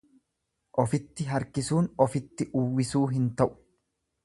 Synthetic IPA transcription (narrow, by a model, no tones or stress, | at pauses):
ʔɔfɪt̪ːɪɦɐɾkɪsuːnɔfɪt̪ːɪʔʊwːɪsuːɦɪnt̪ɐʔʊ̥